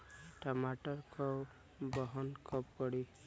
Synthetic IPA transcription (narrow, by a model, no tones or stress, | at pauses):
ʈɔmaʈɔɾkʰɔ | bɔɦɔnkʰɔp̚kɔɽi